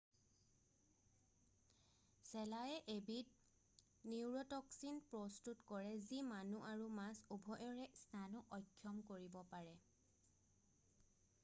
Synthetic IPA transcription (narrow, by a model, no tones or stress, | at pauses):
sɛlajɛʔebit̚ | niwɹɔtɔksinpɹɔstutkɔɹɛzimanuʔaɹumasubʱɔʔɔɹɛstanuʔɔjkʰːjɔmkoɹibɔpaɹɛ